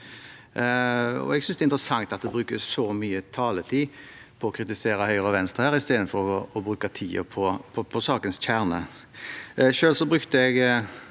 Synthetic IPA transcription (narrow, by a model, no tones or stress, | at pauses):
ɔ̰ɛɡsʏnsd̪ɛɪnt̪ʁəsɑŋt̪ɑt̪̚d̪ɛbɾʉːkəsɔmyːət̪ʰɑːlət̪ʰiː | pʰɔɔkʰɾɪt̪ɪseːɾɑhœʏʁɑʋɛnst̪ʁəhæːʁɪst̪eːd̪ən̩fɔɾɔːbɾʉːkɑt̪ʰiːə̰pʰɔpʰɔpʰɔsɑːkənsc͡çʰæʁnə̰ | ʃøːlsɔbɾʉkt̪əɛɡ